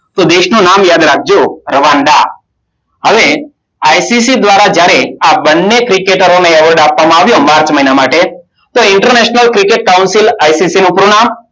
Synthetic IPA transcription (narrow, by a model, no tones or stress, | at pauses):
t̪od̪eʃnũnamjad̪ɾak̚ʰd͡ʒoɾəʋaɳɖ̪a̰ | ɦəʋe | ajsisid̪ʋaɾad͡ʒjaɾeabənːekɾikeʈəɾoneɛʋəɾɖapʋamãaʋjomaɾt͡ʃməinamaʈe | t̪oɪɳʈəɾneʃnəlkɾikeʈ̚kawnsilajsisinũpɾoɳam